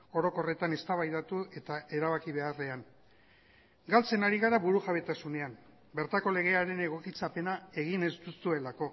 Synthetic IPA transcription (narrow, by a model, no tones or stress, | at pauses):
o̞ɾo̞ko̞re̞t̪ane̞st̪aβajðat̪ue̞t̪aʔe̞ɾaβakiβe̞are̞an | ɡalt͡se̞naɾiɣaɾaβuɾuʝaβe̞t̪asune̞am | be̞ɾt̪ako̞le̞ɣe̞aɾe̞ne̞ɣ̞o̞kit͡sape̞nae̞ɣ̞ine̞zd̪usue̞lako̞